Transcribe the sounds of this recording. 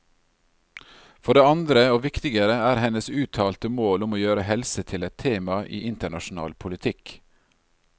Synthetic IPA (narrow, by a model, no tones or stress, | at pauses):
fɔɖeːɑnd̪ɾəoːʋɪkt̪ɪɡəɾəæːɾhɛnəsʉːt̪ʰɑːlt̪əmoːlʊmoːjøːɾəhɛlsət̪ʰɪlɛt̪ʰeːmɑʔḭːʔɪnt̪əɳɑʃnɑ̰ːlpʰʊlɪt̪ʰɪk